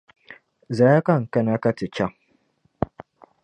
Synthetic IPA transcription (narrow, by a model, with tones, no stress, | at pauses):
za˨ja˦ka˦˨ŋ˨ka˦na˦ka˦ti˨t͡ʃa˦˨ŋ